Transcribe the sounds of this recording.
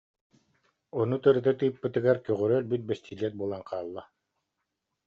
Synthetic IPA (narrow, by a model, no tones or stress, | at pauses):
ɔnut̪ɯɾɯd̪at̪ɯjɯpːɯt̪ɯɡaɾkœʁœɾœlbyt̪̚bɛst̪ʰʲilʲɛt̪̚bulˠaŋqaːlˠːa